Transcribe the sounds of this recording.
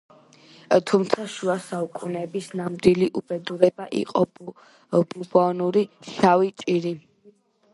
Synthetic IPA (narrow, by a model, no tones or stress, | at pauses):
t̪ʰumt̪sʰaʃuasaukʼunɛbisnamd̪iliʔubɛd̪uɾɛbaʔḭqʼɔ | b̥ubɔnuɾiʃavit͡ʃʼiɾi